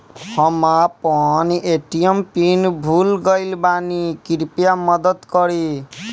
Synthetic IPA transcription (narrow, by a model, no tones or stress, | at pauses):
hɔmapɔniʔeʈijempinbʱulɡʌjlbanikiɾpjamʌd̪ʌt̪kʌɾi